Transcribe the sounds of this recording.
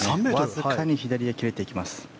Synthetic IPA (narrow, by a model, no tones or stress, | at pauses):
azɨkaɲ̟içid̪aɾʲijakʲiɾe̞t̪e̞ikʲimasɨ̥